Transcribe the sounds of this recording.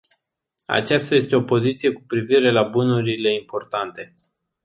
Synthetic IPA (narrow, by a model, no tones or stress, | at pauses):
a̰t͡ʃast̪aje̞st̪e̞o̞po̞zit̪sije̞kupɾiviɾe̞labunuɾile̞impo̞rt̪ant̪e̞